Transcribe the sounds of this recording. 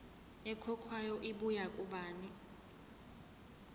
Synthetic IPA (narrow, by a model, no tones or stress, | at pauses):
ɛkʰɔkʰwajɔʔiɓujakʼuɓaːni